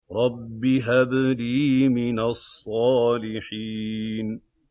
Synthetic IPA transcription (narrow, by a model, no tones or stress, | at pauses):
ɾˤɑbːɪɦabliːmɪnasˤːɑːlɪħiːn